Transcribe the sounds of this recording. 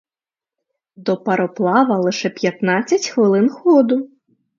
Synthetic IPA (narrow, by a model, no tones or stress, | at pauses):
d̪ɔpɐɾɔplˠaʋɐlˠɨʂɛpʲjat̪nat͡sʲːɐt͡sʲxʋɨlˠɪnxɔd̪u